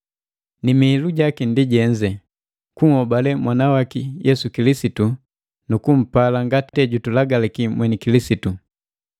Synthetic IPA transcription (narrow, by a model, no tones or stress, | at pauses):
nimiiluɟakindiɟɛɲd͡ʒɛ | kuŋ̩hɔbalɛmwanawakijɛsukilisitu | nukum̩palaŋɡatɛɟutulaɡalɛkimwɛnikilisitu